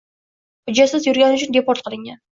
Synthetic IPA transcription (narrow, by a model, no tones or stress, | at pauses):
hʊd͡ʒasɪzjʊɾɡʲænʊt͡ʃʰɪnd̪ʲepoɾt̪̚qʰəlˠɪŋʲan